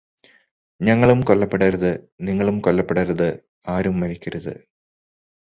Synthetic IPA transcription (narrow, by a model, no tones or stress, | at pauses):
ɲɐŋːɐɭumkolːɐpːeɽɐɾɐðɨ | niŋːɐɭumkolːɐpːeɽɐɾɐðɨ | aːɾumːɐɾikʲːɐɾɐðɨ̰